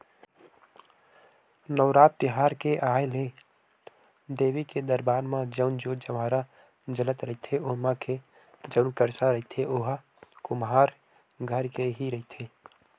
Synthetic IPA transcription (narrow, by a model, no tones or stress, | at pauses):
nəːɾaːt̪ːɪɦaːɾkeʔaːjle | d̪eːʋiked̪əɾbaːɾmãd͡ʒəʊnd͡ʒoːd͡ʒəʋaːɾa | d͡ʒələt̪ɾɐɦit̪ʰeʊmãkʰe | d͡ʒəʊnkəɾsaɾɐɦit̪ʰeʔʊɦa | kʊmɦaːɾ | ɡʱəɾkeɦiɾɐɦit̪ʰeː